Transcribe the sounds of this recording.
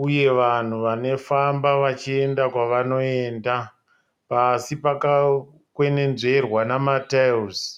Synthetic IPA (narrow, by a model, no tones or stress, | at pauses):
uje̞ʋan̤uʋane̞fambaʋat͡ʃie̞ndakwaʋano̞e̞ːnda | pasipaka | kwe̞ne̞nʐe̞rwanamatauz